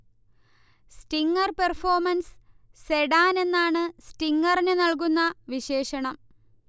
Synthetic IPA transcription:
sʈiŋːɐrperfo̞ːrmɐns | seɽaːne̞nːaːɳɨsʈiŋːɐrnɨnɐɭk̬unːɐʋiɕe̞ːɕɐɳɐm

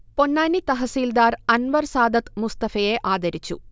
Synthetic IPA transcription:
ponːaːnit̪ɐɦɐsiːld̪aːɾɐnʋɐɾsaːd̪ɐt̪must̪ɐfɐjeːʔaːd̪ɐɾit͡ɕːṵ

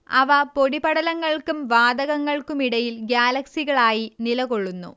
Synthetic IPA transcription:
ɐ̰ʋɐpo̞ɽibɐɽɐlɐŋːɐɭkumʋaːd̪ɐɣɐŋːɐɭkumiɽɐjilɡjaːlɐksiɣɐɭaːjinilɐɣo̞ɭːunːṵ

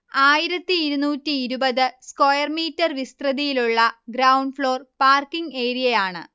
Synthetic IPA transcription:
aːjiɾɐt̪ːiːɾunuːtːiːɾubɐðɨskojɐrmiːtːɐrʋist̪rɐðijiluɭːɐɡɾɐwɳɖfɭo̞ːrpaːrkiŋɡeːɾijɐjaːɳɨ̰

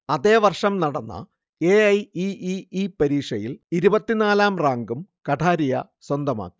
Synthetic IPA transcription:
ɐðe̞ːʋɐrʂɐmnɐɽɐnːɐ̰ | eɐjiiipɐɾiːʂɐjiliɾubɐt̪ːinaːlaːmraːŋɡumkɐʈʰaːɾijɐ̰swɐnd̪ɐma̰ːkːi̥

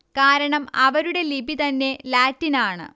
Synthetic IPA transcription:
kaːɾɐɳɐmɐʋɐɾuɽe̞libit̪ɐnːe̞laːtːinaːɳɨ̰

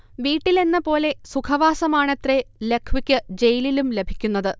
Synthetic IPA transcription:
ʋiːʈːile̞nːɐpo̞ːle̞sukʰɐʋaːsɐmaːɳet̪re̞le̞kʰːʋikʲːɨd͡ʑe̞jililumle̞bʱikʲːunːɐðɨ

